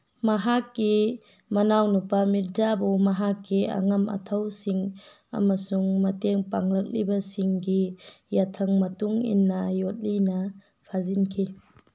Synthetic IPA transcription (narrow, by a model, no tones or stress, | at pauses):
mɐɦakːi | mɐnawnupamiɾd͡ʒabuwmɐɦakːiɐ̰ŋɐmɐ̰tʰɐwsiŋ | ɐ̰mɐsuŋmɐteŋpaŋlɐk̚libɐsiŋɡi | jatʰɐŋmɐtuŋḭnːɐjot̚linɐ | pʰazinkʰi